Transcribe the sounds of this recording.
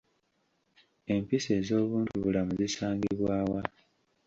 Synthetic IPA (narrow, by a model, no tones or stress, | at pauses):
e̞mpise̞ːzo̞ːβuːntuβulamuzisaːŋɡiβwaːwa